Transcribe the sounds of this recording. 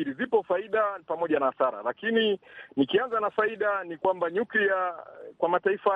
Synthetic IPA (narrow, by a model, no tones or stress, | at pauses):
iɾizipɔfaiɗapamɔʄanaːθaɾa̰lakininikianzanafaiɗanikwambaɲukliakwamataifa